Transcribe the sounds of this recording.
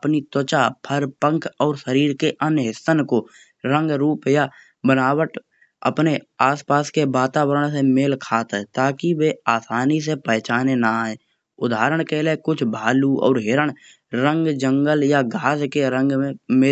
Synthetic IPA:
pnit̪ot͡ʃapʰəɾpə̃ŋkʰɔːɾʃəɾiːɾkeʔənɦɪsənko | ɾə̃ŋɡɾuːpja | bənaːwəʈ | ə̰pneaːspaːskebaːt̪aːwəɾəɽ̃semeːlkʰaːt̪ɛt̪aːkiweaːsaːnis̬epɛɦt͡ʃaːnenaɦɛe | ʊd̪ʱaːɾəɽ̃keːlekʊt͡ʃʰbʱaːluɔ̰ːɾɦeɾəɽ̃ | ɾə̃ŋɡd͡ʒə̃ŋɡəljaɡʱaːd͡ʒkeɾə̃ŋɡẽmeː

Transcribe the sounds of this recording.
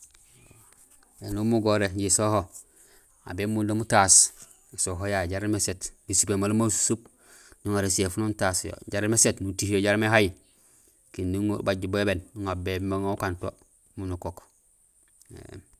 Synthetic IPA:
enumuɡoɾeɲɟisoho | a̰bemundomutas | isoɦojaɟaɾmesetɡisipemalumasu̥sub̚ | ɲuŋaɾesefununtasjo̰ɟaɾmesetnutihjoɟaɾmeɦaji | kindiŋbaɟuboebenuŋabemaŋaukanto | munukok | ḛ

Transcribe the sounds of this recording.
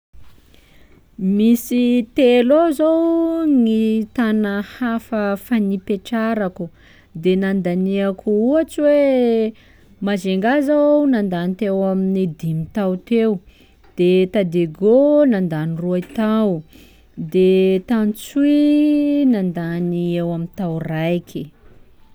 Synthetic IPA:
misit̪elozowŋit̪anahafəfanipeʈ͡ʂaɾaku | d̪enand̪aniakuuat͡siwe | mazeŋɡazawnand̪anit̪ewamined̪imit̪awt̪ew | d̪̥et̪ad̪eɡonand̪aniruait̪aw | d̪et̪ant͡suinand̪aniewamint̪awrajkʰi

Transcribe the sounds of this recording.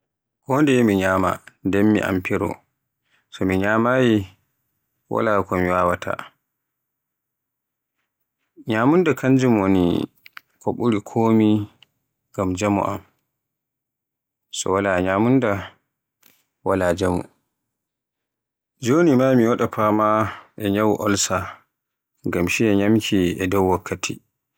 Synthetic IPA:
kɔndɛmiɲaːma̰ndɛmːḭʔa̰mpʰiɾɔ̰ | sɔmiɲaːmaji | wa̰laːkɔmiwaːwatʰa̰ | ɲaːmundakʰand͡ʒimonḭ | kʰɔɓuɾikʰoːmi | ɡamd͡ʒamṵʔa̰m | sɔ̰walaɲaːmunda | walad͡ʒamṵ | d͡ʒoːnimamiwɔɗapʰamaʔɛɲawʔɔlsa | ŋɡamʃiɛɲamkʰiɛdɔwwakʰːatʰḭ

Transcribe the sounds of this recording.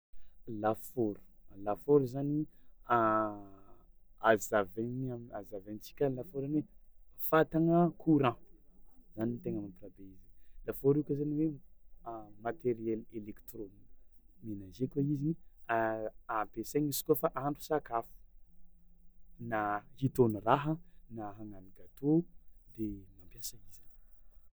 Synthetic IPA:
lafoɾu̥lafoɾuzania | azavenamazavent͡si̥kʲanlafoɾaniwefat̪aŋəkʰuɾã | zanit̪eŋəmaprabeizilafoɾikʲəzaniwe | mat̪eɾiɛlelekt̪ɾonmenazekaiziniaapeseŋizi̥kofaʔaɳɖ͡ʐu̥sakafu̥ | nahit̪oniraɦənaɦaŋaniɡat̪od̪emampjasəiz̥i̥n

